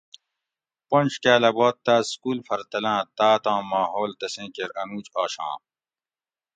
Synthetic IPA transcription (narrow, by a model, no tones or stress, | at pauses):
põnʲɕkaːlɐboːt̪ːaːskuːlfɐɾt̪ɐlãːt̪aːt̪ãːmaːɦoːlt̪ɐsẽːkeɾɐnuːt͡ɕaːɕã̰ː